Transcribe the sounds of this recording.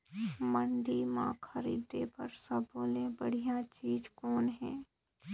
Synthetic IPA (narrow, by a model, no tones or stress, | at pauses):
mənɖ̪imã̰ːkʰɐɾiːd̪epɐɾsɐboːlẽbɐɽ̤ijãt͡ʃiːzkɔːnɦɛ̃ː